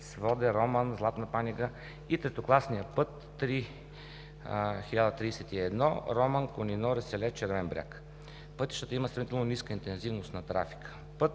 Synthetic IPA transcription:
svɔd̪ɛɾɔmənzlˠat̪nɐpaniɡə | it̪ɾɛt̪oklˠasnijəpɤt̪ːɾi | xilʲad̪ət̪ɾiːsɛt̪iɛd̪nɔ̰ɾɔmənkʊninɔɾɛsɛlɛt͡ʃɛɾvɛnbɾʲja̰k | pɤt̪iʃt̪ət̪əiməsɾɐmit̪ɛlˠnoniskəint̪ɛnzivnost̪nɐt̪ɾa̰fi̥kə̥ | pɤt̪

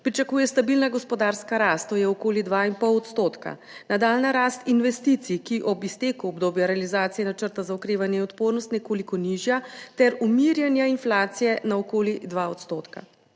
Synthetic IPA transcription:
pɾit͡ʃakuːjɛst̪abilnaɡɔspɔd̪aɾskaɾaːst̪ːoːjɛɔkoːlid̪ʋainpɔwɔt̪st̪oːt̪ka̰ | nad̪aːlnaɾaːst̪inʋɛst̪it̪sikiʔɔbist̪eːkuɔbd̪oːbjaɾɛalizaːt̪sijɛnat͡ʃəɾt̪azaukɾeːʋanjɛinɔt̪poːɾnɔst̪nɛkoːlikɔniʒjat̪ɛɾumiɾjanjainflaːt̪sijɛnaɔkoːlid̪ʋaɔt̪st̪oːt̪ka̰

